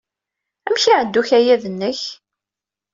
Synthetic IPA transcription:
æmçiʕəd̪ːuçæjæðənːəç

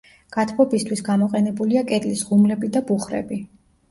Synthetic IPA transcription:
ɡ̥at̪ʰbɔbist̪ʰwisɡamɔqʼɛnɛbuliakʼɛt̪ʼlisʁumlɛbid̪abuχɾɛ̰bi

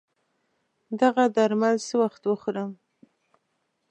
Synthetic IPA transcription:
d̪aɣad̪aɾmalsəwaxt̪wəxuɾəm

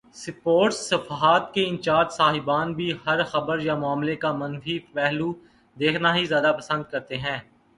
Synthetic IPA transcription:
sɪpoːɾʈsːɐfaɦaːt̪keɪ̃nt͡ʃaːd̪saːɦɪbaːnbʱiɦɐɾxɐbəɾjamʊaːmlekamɐnfiːpɛɦlu | d̪eːkʰnaɦizjaːd̪apɐsə̃nd̪̚kɐɾt̪eɦɛ̃ː

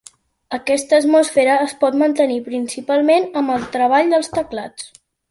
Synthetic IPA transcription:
əkɛst̪əːt̪musfeɾəːspɔt̪mənt̪ənipɾinsipalˠmenəmbəlˠt̪ɾəβ̞aʎd̪əlˠst̪əklat͡s

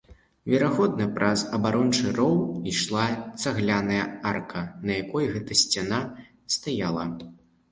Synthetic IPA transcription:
vʲɛɾaɣɔd̪nɐpɾɐzɐbaɾɔnt͡ʂɨɾɔwiʂlˠat̪saɣlʲanɐjɐarkʰɐnɐjakɔjɣɛt̪ɐsʲt͡sʲana | st̪ajalˠɐ

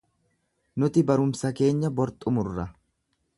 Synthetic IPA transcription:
nʊt̪ɪbɐɾʊmsɐke̞ːɲːɐbɔɾt̪ʼʊmʊrːɐ

